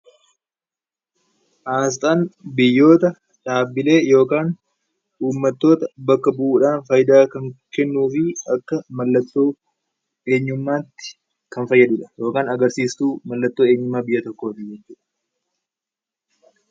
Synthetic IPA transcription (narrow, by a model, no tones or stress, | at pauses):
ʔaːs̬t̪ʼaːnbɪjːo̞ːt̪ɐ | ᶑaːbɪle̞ːjo̞ːkaːn | ʔuːmːɐt̪ːo̞ːt̪ɐbɐkːɐbʊʔuːᶑaːnfɐjd̪aːkɐŋkɛnːuːfɪɐkːɐmɐlːɐt̪ːoː | eːɲːʊmːaːt̪ːɪ̥ | kɐnfɐjːɐd̪ʊᶑɐ̥jo̞ːkaːnɐɡɐɾsiːst̪uːmɐlːɐt̪ːo̞ːe̞ːɲːʊmːaːbɪjːɐt̪ɔkːo̞ːt̪ɪd͡ʒɛt͡ʃːʊːᶑɐ̥